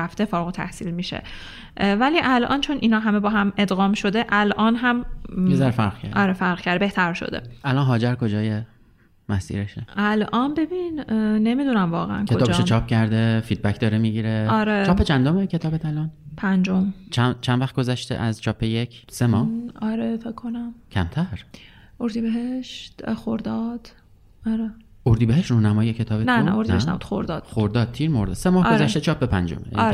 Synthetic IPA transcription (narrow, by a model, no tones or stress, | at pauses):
æft̪e̞fɒːɾɣot̪ʰæ̰hsḭːlmiːʃḛ | væliːʔælʔɒ̰ːnt͡ʃʰo̞nʔinhɒːɦæmebɒːɦæme̞d̪ɣɒːmʃo̞d̪e̞ʔælʔɒːnɦæmjezæɾefæɾʁkʰæ̰ɾdɒɾefæɾɣcʰæɾd̪ebe̞ht̪ʰæɾʃo̰d̪ḛʔælɒːnɦɒːd͡ʒæɾkʰo̞d͡ʒɒːje | mæsḭːɾeʃeʔælʔɒːnbe̞binne̞miːd̪unæmvɒːɣḛʔæ̰nkʰeoɒːbʃet͡ʃʰɒːp̚cæɾd̪efid̪̚bækd̪ɒːɾemiɟiɾeɒɾet͡ʃɒːpːet͡ʃʰænd̪omecʰe̞t̪ʰɒːbet̪ʰælɒːnpʰænd͡ʒomt͡ʃʰæt͡ʃʰænvæχt̪̚ɡozæʃt̪ḛʔæzt͡ʃʰɒːpʰːejekʰsemɒːhɒɾefekʰːonæmcʲʰæ̰mt̪ʰæɾ | oɾd̪ibeɦeʃt̪xoɾd̪ɒd̪̥ | ɒɾe | oɾd̪ibeɦeʃt̪ronæmɒːjekʲʰe̞t̪ʰɒːbetnænæ̰oɾdinæeʃnæ̰budt̪xoɾd̪ɒ̰ːd̪̚xoɾd̪ɒːd̪̚t̪ʰiːɾmoɾd̪ɒ̰semɒːhɡoɾzæʃʃt̪et͡ʃʰɒːpʰːepʰænd͡ʒo̰mḛʔ